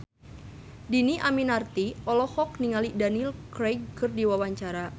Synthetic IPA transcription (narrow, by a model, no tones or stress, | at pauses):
diniʔaminart̪iɔlɔhɔk̚niŋalidanilkɾejɡ̚kɨrdiwawaɲt͡ʃaɾa